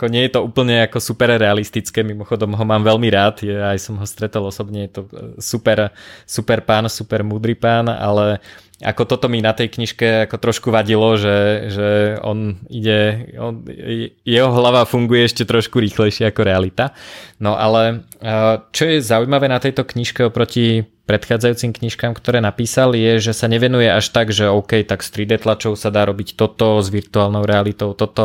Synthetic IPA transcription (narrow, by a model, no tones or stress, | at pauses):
akɔɲɪɛjɛt̪ɔuːpl̩ɲɛakɔsupɛɾɾɛalist̪it͡skɛːmimɔxɔd̪ɔmɦɔmaːmʋɛlmiɾaːt̪jaajsɔmɦɔst̪ɾɛt̪alˠɔsɔbɲɛjɛt̪ɔsupɛɾsupɛɾpaːnsupɛɾmuːd̪ɾipaːna̰lɛ | a̰kɔt̪ɔt̪ɔminat̪ɛjkɲiʃkɛakɔt̪ɾɔʃkuʋaɟilɔʒɛʒɛɔ̰niɟɛɔnɛjɛɦɔɦlaʋaːfuŋɡujɛɛʃcɛt̪ɾɔʃkuɾiːxlɛjʃɪɛakɔɾɛalit̪anɔʔa̰lɛ | t͡ʃɔjɛzaujmaʋɛːnat̪ɛjt̪ɔkɲiʃkɛɔpɾɔcipɾɛt̪xaːd͡zajuːt͡simkɲiʃkaːmkt̪ɔɾɛːnapiːsaljɛʒɛsaɲɛʋɛnujɛaʃt̪aɡʒɛɔʊkɛjt̪akst̪ɾid̪ɛt̪lat͡ʃɔʊsad̪aːɾɔbict̪ɔt̪ɔzʋiɾt̪uaːlnɔʊɾɛalit̪ɔʊt̪ɔt̪ɔ